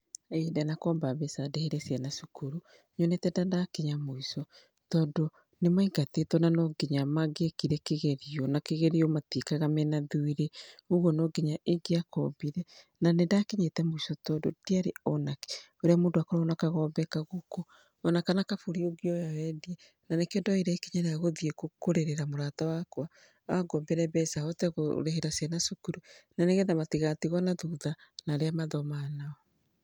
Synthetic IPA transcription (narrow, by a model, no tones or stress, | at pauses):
edɛnakɔːmbaβesadeheɾɛsianasukuɾu | ɲonetɛdadakeɲamoisɔ | tɔːdo | nemaiɡatetɔnanɔɡeɲamaɡekiɾɛkeɣeɾiɔnakeɣeɾiɔmatikaɣamɛnaðuiɾeoɣonɔɡeɲaʔeɡeakɔ̰biɾɛ | nanedaːkeɲetɛmoisɔtɔdodiaɾeɔnake̥ | oɾeamoːndoakɔɾaonakaɣɔːbɛkaɣokoː | nakanakafuɾioɡiɔjawɛdiɛ | nanekeondɔiɾɛkeɲaneaɣoðiekokoɾeɾeɾamoɾaːtawakwa | aɡɔmbɛɾɛβɛsaɔtɛɣo̰ɾeheɾasianasukuɾunaneɣɛðamatiɣatiɣɔnaðuːðanaɾeamaðɔmanaɔ